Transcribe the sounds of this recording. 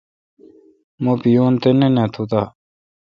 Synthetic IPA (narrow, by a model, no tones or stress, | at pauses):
mopijoːnt̪enenẽt̪ʰut̪aː